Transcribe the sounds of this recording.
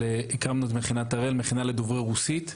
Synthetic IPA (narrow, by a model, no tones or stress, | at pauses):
eikamnut̪meχinat̪aʁelmeχinaled̪ovʁeʁusit̪